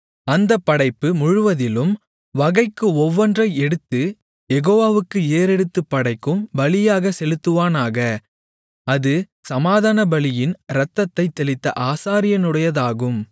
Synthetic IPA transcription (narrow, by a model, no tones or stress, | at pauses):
ɐnd̪ɐpːɐɽɐɪpːɯmʊɻʊʋɐðɪlɯm | ʋɐɣɐɪkːɯɔʋːɔndrɐɪɛɽɯt̪ːɯ | jɛɣoːʋaːʋɯkːɯeːɾɛɽɯt̪ːɯpːɐɽɐɪkːɯmbɐlɪjaːɣɐsɛlɯt̪ːɯʋaːnaːɣɐ | ɐðɯ | sɐmaːðaːnɐbɐlɪjɪnɾɐt̪ːɐt̪ːɐɪt̪ːɛlɪt̪ːɐʔaːsaːɾɪjɐnɯɽɐjɐðaːɣɯm